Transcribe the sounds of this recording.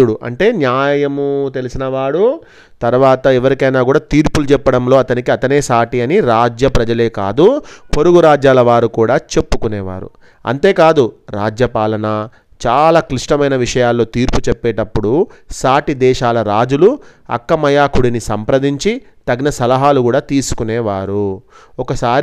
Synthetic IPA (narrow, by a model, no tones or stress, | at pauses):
uɽuʔɐ̰ɳʈe̞ːnjaːjɐmut̪e̞lisinɐʋaːɽu | t̪ɐɾʋaːt̪ɐɛʋɐɾikɐjnaːkuːɽaːt̪iːɾpulut͡ʃɛpːɐɽɐmlo̞ːɐt̪ɐnikiɐt̪ɐne̞ːsaːʈiɐniɾaːd͡ʒjɐpɾɐd͡ʒɐle̞ːka̰ːd̪upo̞ɾuɡuɾaːd͡ʒjaːlɐʋaːɾukuːɽaːt͡ʃe̞pːukuneːʋa̰ːɾṵ | ɐ̰nt̪e̞ːkaːd̪uɾaːd͡ʒjɐpaːlɐnɐ | t͡ʃaːlaːkɾiʂʈɐmɐjnɐʋiʂɐjaːlːo̞ːt̪iːɾput͡ʃɛpːeːʈɐpːuɽusaːʈid̪ɛːʃaːlɐɾaːd͡ʒuluɐ̰kːɐmɐjaːkuɽinisɐmpɾɐd̪iɲt͡ʃi | t̪ɐɡnɐsɐlɐɦaːlukuːɽaːt̪iːsu̥kunɛːʋaːɾuɔkɐsaːɾ